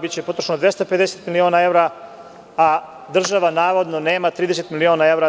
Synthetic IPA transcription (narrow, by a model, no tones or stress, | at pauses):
bit͡ɕepo̞t̪ɾo̥ʃnod̪je̞st̪ope̞d̪eset̪milioːnae̞ʋɾa | a | d̪r̩ʒaʋanaːʋo̞d̪none̞ːmat̪ɾiːd̪eset̪milio̞ːnae̞ʋɾa